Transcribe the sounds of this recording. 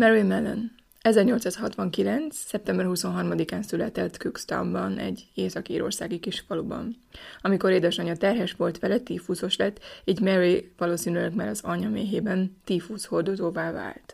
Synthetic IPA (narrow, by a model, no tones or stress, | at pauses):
mɛɾimɛlɛ̰n | ɛzɛrɲolt̪saːshɒt̪ʋɒŋkilɛnt̪ssɛp̚t̪ɛmbɛrhuso̞nɦɒrmɒd̪ikaːnsylɛt̪ɛt̪kykst̪ɒ̰mbɒnɛ̰ɟːeːsɒkiiːɾo̞̰rsaːɡikiʃfɒlubɒ̰n | ɒmiko̞ɾeːd̪ɛʃɒɲɒt̪ɛrɦɛʃʋo̞lt̪ʋɛlɛt̪iːfuːso̞ʃlɛt̪ːiːɟmɛɾivɒloːsiːnyløɡmaːɾɒzɒɲɒmeːɦeːbɛnt̪iːfuːsho̞rd̪o̞zoːvaːva̰ːlt̪